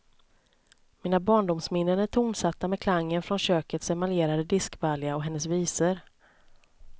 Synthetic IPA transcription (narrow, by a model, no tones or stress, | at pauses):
miːnabɑːɳɖʊmsmɪnːənæʈʰʊmsat̪ːamɛkʰlaŋːənfɾɔnɕøːkət̪sɛmaleːɾad̪əd̪ɪskvaljaɔɦɛnːəsviːsəɾ